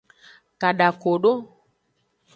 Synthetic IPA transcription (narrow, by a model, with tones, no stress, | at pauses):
ka˨ɗa˨ko˨ɖo˦